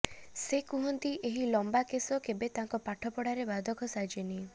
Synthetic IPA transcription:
sekuɦɔnt̪iʔeɦilɔmbakesɔkebet̪aŋkɔpaʈʰɔpɔɽaɾebad̪ʱɔkʰɔsad͡ʒeni

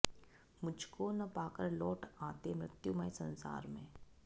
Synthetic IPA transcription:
mʊd͡ʒʱkonɐpaːkəɾlɔːʈʰaːt̪emɾɪt̪jumaːisɐ̃nsa̰ːɾmḛ̃ː

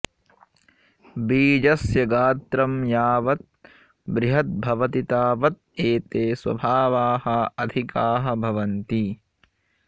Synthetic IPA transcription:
biːd͡ʒɐsjɐɡaːt̪ɾɐmjaːʋɐt̪̚ | bɾiɦɐt̪̚bʱɐʋɐt̪it̪aːʋɐt̪̚eːt̪eːswɐ̰bʱaːʋaːhɐɐd̪ʱikaːɦɐ̆bʱɐʋɐnt̪i

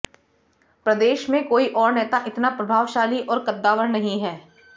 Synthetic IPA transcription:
pɾɐd̪eːʃmẽkoːiʔɔːɾnɛːt̪aʔɪt̪napɾɐbʱaːʋʃaːliʔɔːɾkɐd̪ːaːʋəɽnɐɦĩɦɛː

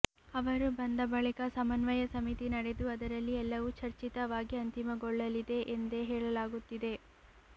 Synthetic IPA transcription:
ɐʋɐɾubɐnd̪ɐbɐɭikɐsɐmɐnʋɐjɐsɐmit̪inɐɽe̞d̪uɐd̪ɐɾɐlːiɛlːɐʋut͡ʃɐɾt͡ʃit̪ɐʋaːɡiɐnt̪imɐɡɔɭːɐlid̪e̞ʔend̪e̞ɦɛːɭɐlaːɡut̪ːid̪e̞

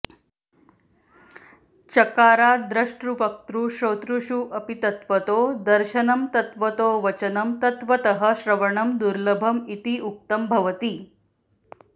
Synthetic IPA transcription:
t͡ɕɐkaːɾaːd̪ɾɐʂʈɾuʋɐk̚t̪ɾuːɕoːt̪ɾuɕuʔɐpit̪ɐt̪ʋɐt̪oːd̪ɐɾʃɐnɐmt̪ɐt̪ʋət̪oːʋɐt͡ɕɐnɐmt̪ɐt̪ʋɐt̪ɐɦəɕɾɐʋɐɳɐmd̪uɾləbʱɐmit̪iːʔuk̚t̪ɐmbʱɐʋət̪iː

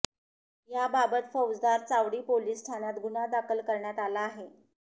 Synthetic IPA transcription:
jababət̪fəwd͡zd̪aɾt͡saʋɽiːpoliːsʈʰanat̪ɡunad̪akʰəlkəɾɳjat̪alaːɦe

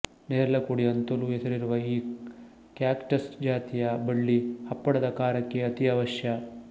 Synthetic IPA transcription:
neːɾɐlɐkuɽiɐnt̪ɐluesɐɾiɾuʋɐiː | kjaːkʈɐsd͡ʒaːt̪ijɐbɐɭːihɐpːɐɽɐd̪ɐkaːɾɐkːeɐt̪iɐʋɐʃjɐ

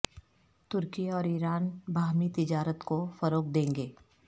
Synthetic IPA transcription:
t̪ʊɾkiɔːɾiːɾaːnbʱaːmit̪ɪd͡ʒaːɾət̪kofəɾoːk̚d̪ẽːŋɡeː

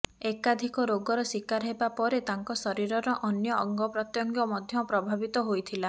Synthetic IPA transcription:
ekad̪ʱikɔɾoɡɔɾɔsikaɾɦebapɔɾet̪aŋkɔsɔɾiɾɔɾɔʔɔnjɔɔŋɡɔpɾɔt̪jɔŋɡjɔmɔd̪ʱjɔpɾɔbʱabit̪ɔɦojt̪ʰila

